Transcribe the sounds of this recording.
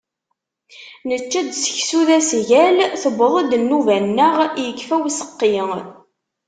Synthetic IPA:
nət͡ʃːæd̪sə̥çsuðæsʝælθəbəðˤæd̪nːuvænːəʁjəkːfæwisə̥qːiŋ

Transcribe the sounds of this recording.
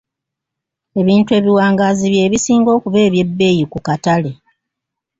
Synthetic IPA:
e̞βiːntue̞ːβiwaːŋɡaːziβje̞ːβisiːŋɡo̞ːkuve̞ːβje̞bːe̞ːjikukatale̞

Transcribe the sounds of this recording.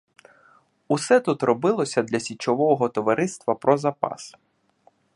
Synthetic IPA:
usɛt̪ut̪rɔbɪlˠɔsʲɐd̪lʲɐsʲit͡ʃɔʋɔɦɔt̪ɔʋɐɾɪst̪ʋɐpɾɔzɐpɑ̰s

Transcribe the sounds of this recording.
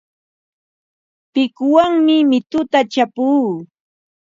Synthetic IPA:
pɪkwaŋmɪmɪt̪ʊt̪at͡ʃapuː

